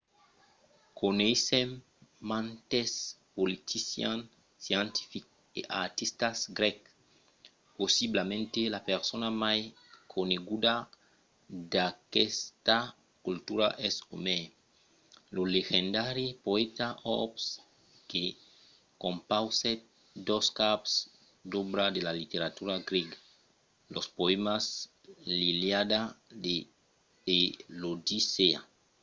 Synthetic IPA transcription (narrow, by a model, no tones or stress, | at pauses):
kʰonejsem | mãnt̪espolit̪ʰisjan | sjant̪i̥fik | eʔaɾt̪ist̪asɡɾɛk | posiblamẽnt̪elapeɾsonamaj | kʰoneɡud̪a | d̪akɛst̪a | kult̪uɾaʔɛso̰me | loleɣẽnd̪aɾipoet̪aʔɔ̰ps | ke | kõmpawse | d̪oskaps | d̪obɾad̪elalit̪eɾat̪uɾaɡɾeɡa | lospoemas | liljad̪ad̪eː | lod̪isea̰